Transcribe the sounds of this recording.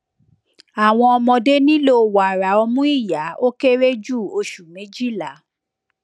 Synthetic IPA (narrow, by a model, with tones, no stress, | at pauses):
a˨w̃ɔ̃˧ɔ˧mɔ̃˧de˦nĩ˦lo˦˨wa˨ɾa˨ɔ˧mũ˦i˦˨ja˨˦o˦ke˦ɾe˦d͡ʒu˦˨o˧ʃu˨mẽ˨˦d͡ʒi˦˨la˨˦